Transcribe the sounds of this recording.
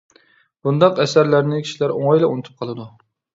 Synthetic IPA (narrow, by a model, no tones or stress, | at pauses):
b̥und̪ɑqɛsæɾlæɾnɪkʲʰi̥ʃilæɾoŋɑjlɛunɨt̪ʰɨ̥p̚qʰɑlˠɨd̪u